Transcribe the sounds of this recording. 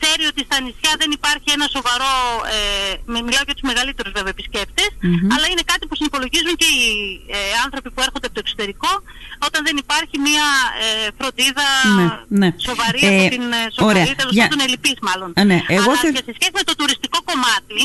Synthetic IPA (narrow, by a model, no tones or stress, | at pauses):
θe̞ɾio̞t̪ist̪ɐːnisçɐðe̞nipɐɾçie̞nɐso̞vɐɾo̞emmilɐoʝɐt̪uzme̞ɣɐlit̪e̞ɾuzve̞veepisce̞pt̪esɐlɐine̞kɐt̪ipusinipo̞lo̞ʝizuɲce̞i | ɐnθɾo̞pipueɾxond̪eɐpot̪oekso̞t̪e̞ɾiko̞ | o̞t̪ɐnðe̞nipɐɾçimiɐefɾo̞nd̪iðɐneneso̞vɐɾiɐpot̪insooɾeɐit̪eloɐd̪onelipizmɐlo̞nneʔeɣoʝɐsesçe̞simet̪ot̪uɾist̪iko̞ko̞mɐt̪i